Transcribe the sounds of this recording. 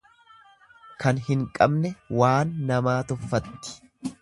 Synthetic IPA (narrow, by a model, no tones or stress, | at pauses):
kɐnhɪŋkʼɐbnɛwaːnːɐmaːt̪ʊfːɐt̪ːɪ̥